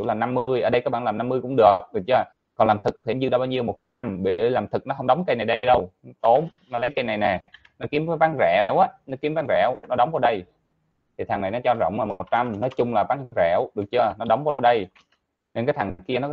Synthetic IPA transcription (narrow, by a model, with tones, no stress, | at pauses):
zḭ˧˩laː˨˩na˧mːɨ˧əjʔəː˧˨˩ɗə˧jkaː˦˥ɓa̰ː˧˨laː˨˩mna˧mːɨ˧əjkʊ̰˧˥ŋ͡mɗɨ˨˩ək̚ɗɨ˨˩kt͡ɕəː˧˩ | kɔ˨˩nlaː˨˩mt̪ʰɨ˨˩k̚t̪ʰe˧˩˦zɨ˧˩ɗaː˧˩ɓaː˧wɲi˧əwmo˨˩t̚t͡ɕa˧mɓḭ˧˨˧laː˨˩mt̪ʰɨ˨˩k̚nɔ˨˦ɦə˧ŋ͡mɗə˨˦wŋ͡mkə˧jna˨˩jɗə˧jɗə˧wt̪o˨˦mnɔ˨˦lə˨˦jkə˧jna˨˩jnɛ˨˩ | nɔ˨˦ki˨˦mvaː˨˦jvaː˨˦˥ŋzɛ˧˩˨wʔaː˨˦nɔ˨˦˥ki˨˦əmvaː˨˦ŋzɛ̰˧˩wnɔ˨˦ɗə˨˦wŋ͡mvaː˨˧˦ɗə˧j | t̪ʰi˨˩t̪ʰa˨˩ŋna˨˩jnɔ˨˦t͡ɕɔ˧zə̰˧˨wŋ͡mlaː˨˩m˨˩t̚t͡ɕa˧mnɔ˨˦jt͡ɕʊ˧ŋ͡mlaː˨˩vaː˨˦ŋzɛ˧˩˨wɗɨ˨˩ək̚t͡ɕə˧nɔ˨˦ɗə˨˦wŋ͡mvaː˨˦ɗə˧j | ne˧nkaː˨˦jt̪ʰa˨˩ki˧ənɔ˨˦